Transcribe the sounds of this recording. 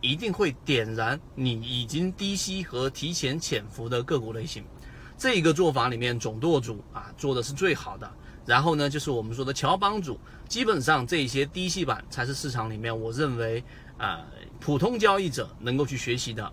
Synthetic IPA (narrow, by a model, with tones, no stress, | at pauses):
i˧˥t̪i˥˧ŋxwe˥˩ɪt̪jɛ˨˩nɻa˧˥nni˨˩i˨˩t͡ɕi˥ŋt̪i˥ɕi˥xɤ˧˥t̪ʰi˧˥t͡ɕʰjɛ˧˥nt͡ɕʰjɛ˨˩nfu˧˥d̪ə˧kɤ˥˩kwɔ˧˥le˥˩ɪɕi˧˥ŋ | ʈ͡ʂɤ˥˩i˧˥ɡə˧t͡swɔ˥˩fa˧˥li˨˩mjɛ˥˩nʈ͡ʂʊ˨˩ŋt̪wɔ˥˩t͡su˨˩˦ɐ˧t͡swɔ˥˩d̪ə˩ʂɻ̩˥˧t͡swe˥˩ɪxɑ˨˩ʊd̪ə˦ | ɻa˧˥nxo˥˩ʊnə˩t͡ɕjo˥˧ʊʂ̬ɻ̩˥˩wɔ˨˩mə˦nʂwɔ˥˩d̪ə˨t͡ɕʰjɑ˧˥ʊp̬ɑ˥ŋt͡su˨˩ | t͡ɕi˥pə˨˩nʂɑ˥˧ŋʈ͡ʂɤ˥˧i˥˩ɕ̬jɛ˥t̪i˥ɕi˥pa̰˨˩nt͡sʰa˧˥ɪʂɻ̩˥˧ʂɻ̩˥˩ʈ͡ʂʰɑ˧˥ŋli˨˩mjɛ˥˩nwɔ˨˩ɻə˥˩nwe˧˥ɪ | ə̰˧˩ | pʰu˨˩t̪ʰʊ˥ŋt͡ɕjɑ˥˧ʊi˥˩ʈ͡ʂɤ̰˨˩nɤ˧˥ŋko˥˧ʊt͡ɕʰy˥˩ɕɥɛ˧˥ɕi˧˥d̪ə̰˧